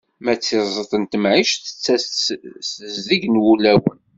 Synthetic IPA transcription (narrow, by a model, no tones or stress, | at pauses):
mæt͡sːizˤət̪ˤənt̪əmʕiʃθət͡sːæsəzðiʝnwulæwə̰n